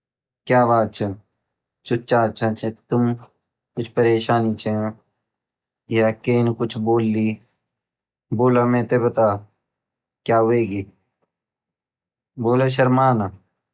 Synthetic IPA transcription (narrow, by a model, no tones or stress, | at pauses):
kjaːʋaːt͡ʃʰɐ | t͡ʃʊt͡ʃaːt͡ʃʰat͡ʃʰet̪ʊm | kʊt͡ʃʰpəɾeːʃaːnit͡ʃʰe | jakeːnkʊt͡ʃʰboːlːi | boːlamẽːt̪ebɐt̪aː | kjaːʋeːɡi | boːlaʃ̬ɐɾmaːna